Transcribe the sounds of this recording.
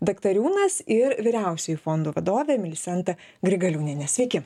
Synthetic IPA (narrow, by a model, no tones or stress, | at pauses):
d̪ɐkt̪ɐɾʲuːnɐsɪɾʋʲɪɾʲɛˑʊsʲɛjʊfond̪uːʋɐd̪oːʋʲeːmʲɪlʲɪsʲɛnt̪ɐɡɾʲɪɡɐlʲuːnʲɪnʲɛsʲʋʲɛɪkʲɪ